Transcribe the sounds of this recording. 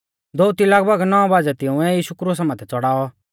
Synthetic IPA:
d̪oʊt̪ilɐɡbəɡnɔɔ̃baːd͡zɛt̪ɪũɛjiːʃukɾuːsamãːt̪ʰɛt͡sɔɽaːɔ

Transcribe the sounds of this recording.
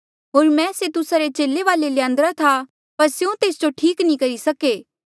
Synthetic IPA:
ɦoːɾmɛ̃ːset̪ʊsaɾet͡ʃeːlːeʋaːlelɪjãːnd̪ɾat̪ʰa | pɐɾseũt̪eːsd͡ʒoʈʰiːknĩkɐɾisɐkeː

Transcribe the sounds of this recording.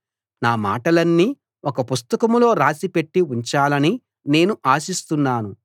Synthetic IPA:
naːma̰ːʈɐlɐnːiː | ɔkɐpust̪ɐkɐmlo̞ːɾaːsipe̞ʈːiuɲt͡ʃaːlɐni | ne̞ːnuʔaːsist̪unːaːnu

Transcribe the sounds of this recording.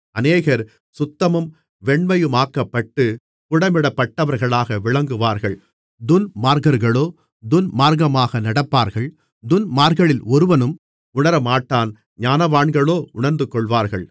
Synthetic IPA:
ɐneːɣɐɾ | sʊt̪ːɐmɯm | ʋɛɳmɐjɯmaːkːɐpːɐʈːɯ | kʊɽɐmɪɽɐpːɐʈːɐʋɐɾɣɐɭaːɣɐʋɪɻɐŋɡɯʋaːɾɣɐɭ | d̪ʊnmaːɾɣɐɾɣɐɭoː | d̪ʊnmaːɾɣɐmaːɣɐnɐɽɐpːaːɾɣɐɭ | d̪ʊnmaːɾɣɐɭɪlɔɾɯʋɐnɯm | ʊɳɐɾɐmaːʈːaːn | ɲaːnɐʋaːɳɡɐɭoːʊɳɐɾnd̪ɯkɔɭʋaːɾɣɐɭ

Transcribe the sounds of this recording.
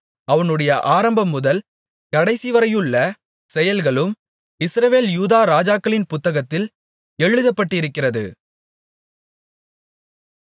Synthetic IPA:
ɐʋɐnɯɽɐjɐʔaːɾɐmbɐmːʊðɐl | kɐɽɐɪsɪʋɐɾɐjɯɭːɐ | sɛjɐlɣɐɭɯm | ɪsɾɐʋeːljuːðaːɾaːd͡ʒaːkːɐɭɪnpʊt̪ːɐɣɐt̪ːɪl | ɛɻɯðɐpːɐʈːɪɪɾɯkːɪrɐðɯ̰

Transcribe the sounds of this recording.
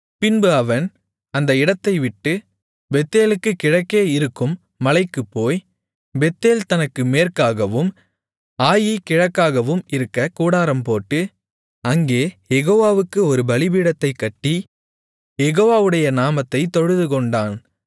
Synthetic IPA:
pɪnbɯɐʋɐn | ɐnd̪ɐɪɽɐt̪ːɐɪʋɪʈːɯ | bɛt̪ːeːlɯkːɯkɪɻɐkːeːɪɾɯkːɯmː | ɐlɐɪkːɯpːoːj | bɛt̪ːeːlt̪ɐnɐkːɯmeːrkaːɣɐʋɯm | aːjikɪɻɐkːaːɣɐʋɯmɪɾɯkːɐkuːɽaːɾɐmpoːʈːɯ | ɐŋɡeːjɛɣoːʋaːʋɯkːɯɔɾɯbɐlɪbiːɽɐt̪ːɐɪkːɐʈːi | jɛɣoːʋaːʋɯɽɐjɐnaːmɐt̪ːɐɪt̪ɔɻɯðɯkɔɳɖaːn

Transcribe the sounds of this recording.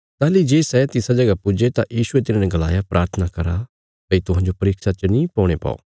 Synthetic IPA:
t̪aːlid͡ʒeːsɛt̪ɪsad͡ʒɐɡapʊd͡ʒet̪ajiːʃʊet̪ɪnaːnɛɡɐla̰ːjapɾʔaːɾt̪ʰənakɐɾa̰ | tɐit̪ʊɦãːɲd͡ʒopɐɾɪːkʃat͡ʃɐnĩpɔ̃ːɽ̃epa̰ːo̰ː

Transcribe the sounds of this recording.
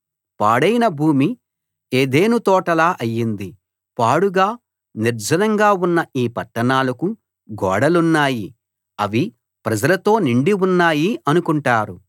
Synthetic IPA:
paːɽɐjnɐbʱuːmi | eːd̪e̞ːnut̪ɔːʈɐlaːʔɐjːind̪i | paːɽuɡaː | niɾd͡ʒʱɐnɐŋɡaːunːɐiːpɐʈːɐɳaːlɐku | ɡɔːɽɐlunːaːji | ɐʋi | pɾɐd͡ʒɐlɐt̪o̞ːniɳɖiunːaːjiɐnukuɳʈaːɾu

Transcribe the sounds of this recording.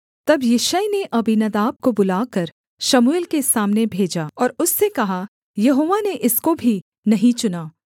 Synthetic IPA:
t̪ɐbjɪʃajneʔɐbinɐd̪aːb̚kobʊlaːkɐɾ | ʃɐmuelkesaːmnebʱeːd͡ʒaːɔːɾʊsːekɐɦa | jɐɦoːʋaneʔɪskobʱi | nɐɦĩt͡ʃʊnaː

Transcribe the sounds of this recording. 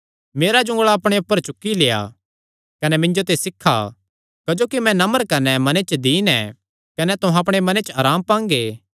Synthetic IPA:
meːɾad͡ʒʊ̃ŋɡɭaɐpɽ̃eʊpːəɾt͡ʃʊkːileːa̰ | kɐnɛmɪ̃ɲd͡ʒot̪̬esɪkʰːa̰ | kɐd͡ʒoːkimɛ̃nɐməɾkɐnɛmɐnet͡ʃəd̪iːnɛ̰̃ | kɐnɛt̪ʊ̃ɦãɐp̬ɽ̃emɐnet͡ʃaːɾaːmpãːŋɡeː

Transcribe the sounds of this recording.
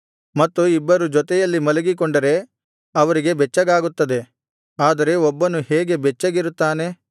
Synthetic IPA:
mɐt̪ːuibːɐɾud͡ʒɔt̪ɛjɐlːimɐlɐɡikoɳɖɐɾe̞ | ɐʋɐɾiɡe̞bɛt͡ʃːɐɡaːɡut̪ːɐd̪e̞ | aːd̪ɐɾe̞ɔbːɐnuheːɡe̞bɛt͡ʃːɐɡiɾut̪ːaːne̞

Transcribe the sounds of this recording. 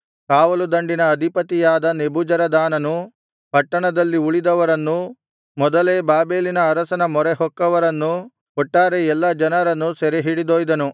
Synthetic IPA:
kaːʋɐlud̪ɐɳɖinɐːd̪ʱipɐt̪ijaːd̪ɐnebud͡ʒɐɾɐd̪aːnɐnu | pɐʈːɐɳɐd̪ɐlːiuɭid̪ɐʋɐɾɐnːu | mɔd̪ɐleːbaːbeːlinɐːɾɐsɐnɐmɔɾɛɦɔkːɐʋɐɾɐnːu | kɔʈːaːɾeɛlːɐd͡ʒɐnɐɾɐnːusɛɾeɦiɽid̪oːjd̪ɐnu

